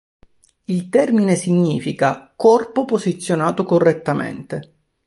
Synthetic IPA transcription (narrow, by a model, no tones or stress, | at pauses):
ilt̪ɛrminesiɲːiːfikakɔrpopozit̪sːjonaːt̪okorːet̪ːamḛnt̪e